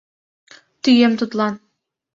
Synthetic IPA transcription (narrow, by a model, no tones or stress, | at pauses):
t̪yjemt̪ʰʊt̪lˠɑn